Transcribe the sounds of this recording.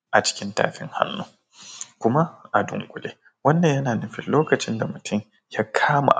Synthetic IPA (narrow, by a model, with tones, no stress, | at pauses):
ʔa˨t͡ʃɪ̥˦kʲɪ˦nta̰ː˨ɸɪ̰˦ŋha̰˦nːuː˦ | kʷʊ˦ma˦ʔa˨dʊ̰˨ŋkʷʼʊ˨leː˦ | wɐ˦nːɐ˨ɲjɐ˦naː˨nʊ˦ɸɪ˨lloː˦kɐ˨t͡ʃɪ˦nda˨mʊ˨tʰʊ˦m | jaː˦kʰaː˦ma̰˨ʔ